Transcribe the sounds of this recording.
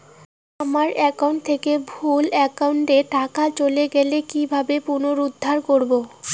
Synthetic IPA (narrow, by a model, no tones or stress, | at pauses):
amaɾɛkauɳʈ̚t̪ʰekebʱulɛkauɳʈeʈakat͡ɕoleɡɛlekibʱabepunoɾud̪ʱːaɾkoɾbo